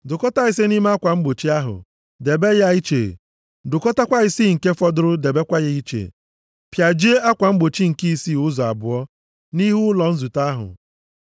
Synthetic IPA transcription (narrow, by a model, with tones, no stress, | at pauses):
dʊ˨kɔ˦ta˦ɪ˦s̬e˦ni˦m˦a˦kʷa˨ŋ͡m̩˦ɡ͡bo˨t͡ʃi˦a˦ɦʊ̰˨ | de˨be˦ja˦i˦t͡ʃḛ˨ | dʊ˨kɔ˦ta˦kʷa˦ɪ˦si˦ŋ̩˨ke˦fɔ˦dʊ˦ɾʊ˦de˨be˦kʷa˦ɣɪ˦i˦t͡ʃḛ˨ | pja˨d͡ʒi˦a˦kʷa˨ŋ͡m̩˦ɡ͡bo˨t͡ʃi˦ŋ̩˨ki˦˨si˦˨ʊ˦zɔ˨a˨bʊ˨ɔ˦ | ni˦ɦu˦lɔ˨n̩˦zu˨ta˦ɦʊ̰˨